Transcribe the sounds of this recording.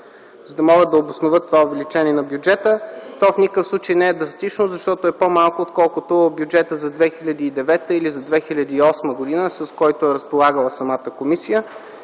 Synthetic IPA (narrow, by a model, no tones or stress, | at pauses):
zəd̪ɐmɔɡəd̪d̪ːɐobʊsnovət̪ːovaovɛlit͡ʃɛniɛnɐbjud͡ʒɛt̪ət̪ɔfnʲikəfslˠut͡ʃəjnɛɛd̪ɾɐst̪it͡ʃnoʊzɐʃt̪ɔt̪oɛpomalˠkoːt̪kɔlˠkʊt̪objud͡ʒɛt̪əzɐd̪vɛxilʲɐd̪iːd̪ɛvɛt̪əilizɐd̪vɛxilʲɐd̪iːɔsməɡod̪inəsɐskɔjt̪oɛɾəspolˠaɡəlˠəsɐmat̪əkomisijə